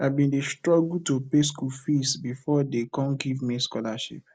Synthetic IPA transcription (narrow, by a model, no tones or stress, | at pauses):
avbĩndestɹɔɡul̩topeskulfisbifɔdekɔ̃nɡivmiskɔlaʃḭp̚